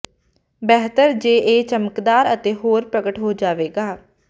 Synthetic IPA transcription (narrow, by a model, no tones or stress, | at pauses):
bɛɦt̪əɾd͡ʒeːʔeːt͡ʃəməkd̪aːɾət̪eːɦoːɾpɾəɡəʈɦoːd͡ʒaːʋeːɡaː